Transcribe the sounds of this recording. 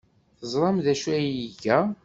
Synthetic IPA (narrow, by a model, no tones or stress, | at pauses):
θəzˤɾˤɑmðæʃæjiʝæ